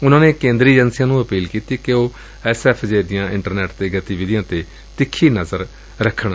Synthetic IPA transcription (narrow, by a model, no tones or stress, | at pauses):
ʊnãːneːkẽːnd̪ɾiːd͡ʒənsɪjãːnũːəpiːlkiːt̪iːkeoː | ɛsɛːpʰd͡ʒeːd̪ɪjãːʔɪ̃ɳʈəɾnɛːʈt̪eːɡət̪iːʋɪd̪jãːt̪eː | t̪ɪkʰːiːnəzəɾ | ɾəkʰːəɳ